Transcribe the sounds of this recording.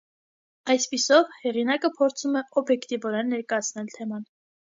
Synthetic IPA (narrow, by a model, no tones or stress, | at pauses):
ɑjspisɔvhɛʁinɑkəpʰɔɾt͡sʰumɛɔbjɛkt̪ivɔɾɛnːɛɾkɑjɑt͡sʰnɛlt̪ʰɛmɑn